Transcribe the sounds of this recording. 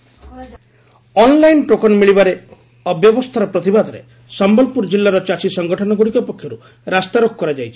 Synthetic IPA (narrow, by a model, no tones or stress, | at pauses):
ɔnlajnʈokɔnmiɭibaɾe | ɔbjɔbɔst̪ʰaɾɔpɾɔt̪ibad̪ʱɔɾḛ | sɔmbɔlpuɾd͡ʒilːaɾɔt͡ʃat͡ʃisɔŋɡɔʈʰɔnɔɡuɽikɔpɔkʰːjɔɾu | ɾast̪aɾokʰkɔɾad͡ʒajt͡ʃʰi̥